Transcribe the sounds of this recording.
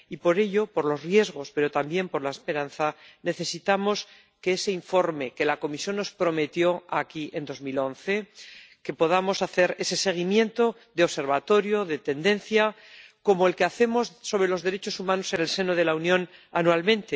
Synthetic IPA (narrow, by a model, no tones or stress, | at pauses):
ipo̞ɾe̞ʎo̞po̞ɾlo̞zrje̞zɣ̞o̞speɾo̞t̪ambje̞mpo̞ɾlaespe̞ɾanθane̞θe̞sit̪amo̞s | ke̞eseiɱfo̞ɾme̞ke̞lako̞misjõ̞nːo̞spɾo̞me̞t̪jo̞akiʔe̞nd̪o̞zmilo̞nθe̞ke̞po̞ð̞amo̞saθe̞ɾe̞se̞se̞ɣ̞imjẽ̞nt̪o̞ | ðeose̞ɾβ̞at̪o̞ɾjoðe̞t̪e̞nd̪e̞nθja | ko̞moe̞lkeaθe̞mo̞sso̞βɾe̞lo̞zðe̞ɾe̞t͡ʃo̞sumãno̞se̞ne̞lse̞noð̞e̞launjõ̞nanualmẽ̞nt̪e